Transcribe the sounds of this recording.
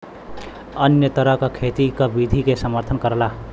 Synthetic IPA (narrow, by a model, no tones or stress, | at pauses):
ənjət̪əɾəɦkakʰet̪ikabid̪ʱikesəməɾt̪ʰənkəɾla